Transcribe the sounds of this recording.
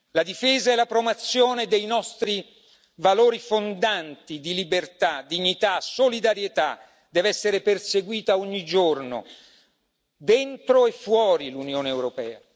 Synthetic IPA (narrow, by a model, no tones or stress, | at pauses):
lad̪ifeːzaɛlapɾomat̪sːjoːned̪ejnɔst̪ɾi | valoːɾifond̪ant̪id̪ilibert̪ad̪iɲːit̪asolid̪aɾjet̪a | d̪ɛːvɛsːeɾeperseɡwiːt̪aoɲːid͡ʒorno̰ | d̪ent̪ɾoefːwɔːɾilunjoːneːwɾopɛːa̰